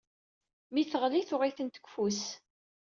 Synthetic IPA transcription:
miθəʁliθʊʁiθənt̪ə̥kʷfus

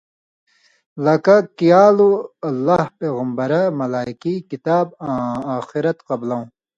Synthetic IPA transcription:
lɐkɐkijaːluɐlːahpeːɣɐmbɐɾɐmɐlaːikikit̪aːbãːaːxiɾɐt̪qɐblɐw̃

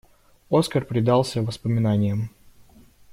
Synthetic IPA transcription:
o̞skərpɾʲɪd̪ɑlˠsʲəvəspəmʲɪnanʲɪjəm

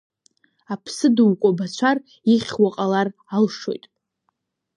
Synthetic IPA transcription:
apʰsɨduwkʷʼabat͡ɕʷʰar | iχʲwaqʼalar | alʂo̞̰jtʼ

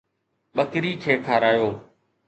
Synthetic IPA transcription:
ɓəkɾiːkʰeːkʰaːɾaːjoː

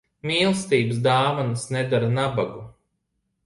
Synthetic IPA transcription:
miːlˠst̪iːbɨsd̪aːvɔnsnɛd̪aɾnabaɡu

